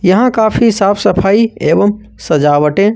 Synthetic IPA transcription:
jɐɦãkaːpʰisaːpʰsɐpʰaːieːbəm | sɐd͡ʒaːʋəʈẽ

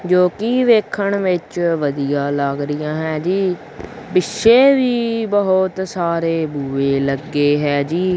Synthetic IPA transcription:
d͡ʒoːkɪʋeːkʰəɳʋɪt͡ʃʋəd̪ijãːlaːɡɾɪjãːɦɛːd͡ʒiː | bɪʃeːʋiːbəɦʊt̪saːɾeːbuːeːləɡːeːɦɛːd͡ʒiː

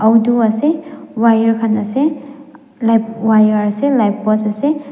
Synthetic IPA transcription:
awduasewajaɾkʰanase | lajwajaɾaselajpːɔsase

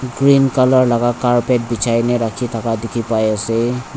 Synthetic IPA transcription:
ɡɹinkalɔɹlaɡakaɹpɛt̚bit͡ʃʰajnɛɹakʰitʰakadekʰipajasɛ

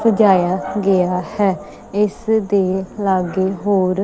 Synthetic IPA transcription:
səd͡ʒaːjaːɡɪaːhɛː | ɪsd̪eːlaːɡeːɦoːɾ

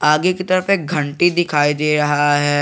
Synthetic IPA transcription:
aːɡekit̪ɐɾəfek̚ɡʱɐ̃ɳʈid̪ɪkʰaːid̪eːɾɐɦaaɦɛː

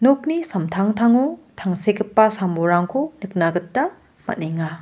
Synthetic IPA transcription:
nok̚nisɐmtʰaŋtʰaŋotʰaŋsekʰɯpːɐsamboɾaŋkʰonɯk̚naɡɯtːɐ | mɐ̰tneŋa

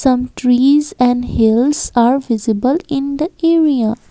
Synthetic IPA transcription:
sʌ̃mʈɾiːzɛ̃ɳɖhɪlzaːɾʋɪzɪbəlɪ̃nd̪əeːɾia

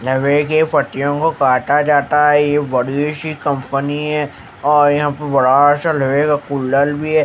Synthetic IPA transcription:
lɐʋekepʰɐʈ̪ijõkokaːʈad͡ʒaːt̪aɦɛjebɐɽiʃikɐ̃mpəniɦɛ | ɔːɾjɐɦãpɐbɐɽaʃalɐʋekakʊlːəlbʱiɦɛː

